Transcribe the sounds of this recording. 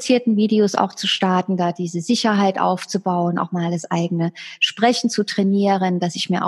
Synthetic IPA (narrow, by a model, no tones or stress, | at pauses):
t͡siːɐtn̩viːdeosa̰ʊxt͡suʃtaɐtn̩daːd̥iːzəzɪçɐɦaɪtʔa̰ʊft͡subaʊənʔa̰ʊxmaːldasʔaɪɡənəʃpʁ̥ɛçn̩t͡sutʁ̥ɛniːʁəndasɪçmiːɐʔa̰